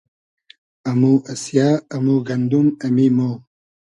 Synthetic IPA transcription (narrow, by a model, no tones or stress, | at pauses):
ɐmuʔɐsjaːɐmuɡɐnd̪umɐmimoː